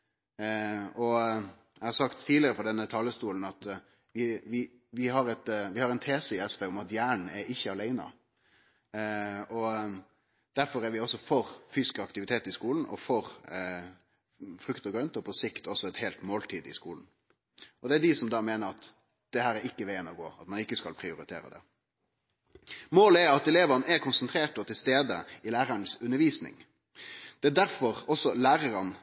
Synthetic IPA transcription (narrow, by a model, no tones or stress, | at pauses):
ɔ | æɪhɑɾsɑkt̪ʰːiːlɪəɾəfɔd̪ɛnːət̪ʰɑːləst̪uːln̩ɑt̪ | ʋɪʋɪ | ʋɪɦɑɾɛt̪ʋɪhɑɾɛɪnt̪ʰeːsəɪɛspeːɔmɑt̪jæːɳɳ̩æɾɪçːəɑlæɪnɑ̰ | ɔ | d̪̥æɾfɔɾæɾʋɪɔsːɔfɔɾfyːskɑkt̪ɪʋɪt̪ʰeːt̪ɪskuːln̩ɔ̰fɔɾ | fɾʉkt̪ɔɡɾœnt̪ɔpʰɔsɪkt̪ʰɔsːɔɛt̪heːlt̪moːlt̪ʰiːd̪ɪ̰skuːln̩ | ɔd̪ɛæd̪ɪsɔmd̪ɑːmeːnəɾɑt̪ | d̪̥ɛhæːɾæɾɪkːəʋeɪənɔɡo̰ːɑt̪mɑnɪkːəskɑlpʰɾɪʊɾɪt̪ʰḛːɾə̰d̪ɛ̰ | moːləæɾɑt̪ɛleːʋənʔɛɾkʰʊnsənt̪ʰɾeːʈɔt̪ʰːɪlst̪eːd̪əɪlæːɾɑnəsʉnːəɾʋiːsnɪ̰ŋ | d̪̥ɛæd̪æɾfɔʁɔsːɔlæːɾəɾən